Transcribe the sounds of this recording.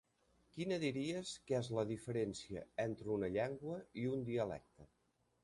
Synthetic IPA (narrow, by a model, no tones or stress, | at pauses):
kinəðiɾiəskɛzləðifəɾensiə̰ent̪ɾunəʎaŋɡwəiund̪iəlɛ̰k̚t̪ə